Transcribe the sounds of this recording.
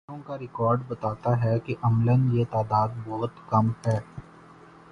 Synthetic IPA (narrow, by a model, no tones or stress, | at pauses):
õkaɾɪkɔːɾɖbɐt̪aːt̪aɦɛkiʔɐmlənjet̪aːd̪aːd̪̚bɔɦʊt̪kɐmhɛː